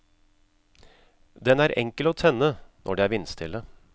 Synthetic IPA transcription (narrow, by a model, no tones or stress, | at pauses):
d̪ɛnæːɾʔɛ̰ŋkəloːt̪ʰɛnːənʔɔ̰ɖeːæːɾɪnst̪ʰɪlə